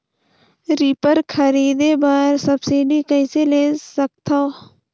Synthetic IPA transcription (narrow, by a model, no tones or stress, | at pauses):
ɾipəɾkʰəɾiːd̪ebaːɾsəbsiːɖikəĩseleːsək̚t̪ʰaː